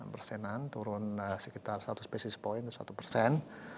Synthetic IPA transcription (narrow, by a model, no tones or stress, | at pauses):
pərsɛnant̪uɾunsəkit̪arst̪at̪uspɛsispoint̪sa̰t̪upərsɛn